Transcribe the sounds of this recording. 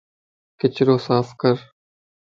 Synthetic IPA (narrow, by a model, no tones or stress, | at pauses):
kɪt͡ʃɪɾoːsaːfkəɾ